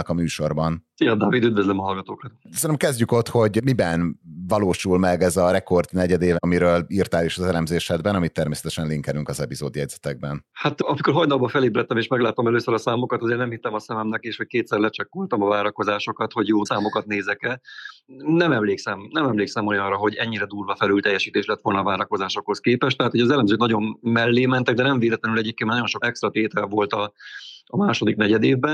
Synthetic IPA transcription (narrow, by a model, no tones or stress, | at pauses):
kɒmyːʃo̞rbɒnsijɒd̪aːvid̪yd̪vøzləmɒɒlɡɒt̪oːkɒt̪snɛmkɛzɟyko̞t̪ho̞ɟmibɛnvɒloːʃulmɛɡɛzɒrɛko̞rd̪nɛɟɛd̪eːvmiɾøːlirt̪aːliʃɒzɛlɛmzeːʃɛd̪bɛnɒmit̪ːɛrmeːsɛ̥t̪ɛʃɛnliŋkɛlyŋkɒzɛpizoːd̪jɛɟzɛt̪ɛɡ̚bɛnhat̪ɒmiko̞ɾɦɒjnɒlbɒfɛlibɾɛt̪ːɛmeːʃmɛɡlaːt̪omɛløːsøɾɒsaːmo̞kɒt̪ɒzeːrnɛmhit̪ːɛmɒsɛmɛmnɛkeːʃho̞c̚keːt̪sɛɾlɛt͡ʃɛkːolt̪ɒmɒvaːɾɒko̞zaːʃo̞kɒt̪ho̞ɟjoːsaːmo̞kɒt̪̚neːzɛkɛ | nɛmɛmleːksɛmnɛmɛmleːksɛmo̞jɒnrɒɦo̞ɟɛɲːiɾɛd̪uːlvɒfɛlylt̪ɛjːɛʃiːt̪eːʃlɛt̪ʋo̞lnɒːvaːɾɒko̞zaːʃo̞kho̞skeːpɛʃt̪ɛɦaːt̪ho̞jɒzɛlɛmzøːknɒɟo̞nmɛlːeːmɛnt̪ɛɡ̚d̪ɛnɛɱveːlɛt̪lɛnylɛɟeːp̚keːnmnɒjoʃo̞kɛkst̪ɾɒt̪eːt̪ɛlvolt̪ɒɒmaːʃo̞d̪iknɛɟɛd̪eːvbɛ